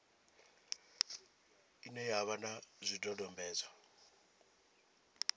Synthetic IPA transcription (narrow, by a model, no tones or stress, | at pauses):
inɛjaβanazʷidʼɔdɔmbɛːza